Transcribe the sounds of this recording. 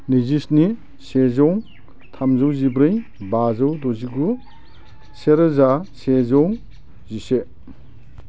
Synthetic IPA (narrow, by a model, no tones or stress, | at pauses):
nizisni | sezɔw | tʰamzawzibɾɯj | bazawdɔziɡu | seɾazasezɔw | zise